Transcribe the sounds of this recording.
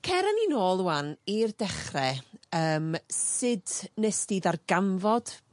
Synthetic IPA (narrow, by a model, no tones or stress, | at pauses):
kʰɛɾaninoːlˠuanirdɛχrɛəːmsɪdnɛstiðarɡamvɔd̥